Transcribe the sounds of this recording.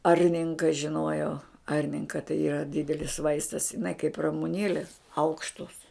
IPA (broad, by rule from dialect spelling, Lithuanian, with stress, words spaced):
ˈɐrʲnʲɪŋkɐ ʒʲɪˈnuɔjɛʊ ˈɐrʲnʲɪŋkɐ tɐɪ iːˈrɐ ˈdʲɪdʲɛlʲɪs ˈʋɐɪstɐs ɪˈnɐɪ kɐɪp rɐmʊˈnʲeːlʲeːs ˈɐʊkʃtoːs